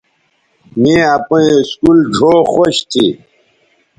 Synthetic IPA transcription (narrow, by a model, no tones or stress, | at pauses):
mĩapõiskuld͡ʑʱoːxoɕt̪ʰi